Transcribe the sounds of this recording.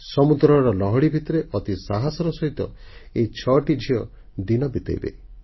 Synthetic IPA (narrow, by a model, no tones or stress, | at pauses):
sɔmud̪ɾɔɾɔlɔɦɔɽibʱit̪ɔɾeʔɔt̪isaɦasɔɾɔsɔɦit̪ɔ | ejt͡ʃʰɔʈid͡ʒʱiɔ | d̪inɔbit̪ḛjbḛ